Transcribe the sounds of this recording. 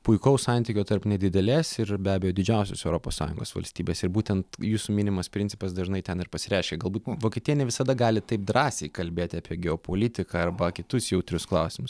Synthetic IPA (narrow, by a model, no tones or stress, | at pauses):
pʊɪkoʊsɑnʲt̪ʲɪkʲoːt̪ɐɾpnʲɛd̪ʲɪd̪ʲɛlʲeːsɪɾbʲæːbʲɛjoːd̪ʲɪd͡ʒʲɛˑʊsʲo̰sɛʊɾoːpo̰ːssɑ̰ːjʊ̰ŋɡoːsʋɐ̰lʲsʲt̪ʲiːbʲeːsɪɾbuːt̪ʲɛnt̪juːsuːmʲɪnʲɪmɐspʲɾʲɪnʲsʲɪ̥pɐsd̪ɐʒɪnɐɪt̪ʲɛnɪrpɐsʲɪɾʲæˑːʃʲkʲɛɡɐlˠbuːt̪ʋoːkʲɛt̪ʲɪjɛnʲɛʋʲɪsɐd̪ɐɡɑːlʲɪt̪ɐɪp̚d̪ɾɑːsʲɛɪkɐlʲbʲeːt̪ʲɪɑːpʲiɛɡʲɛoːpoːlʲɪt̪ʲɪkɑɐrbɐkʲɪt̪ʊsjɛʊt̪ʲɾʲʊsklˠɑʊsʲɪmʊs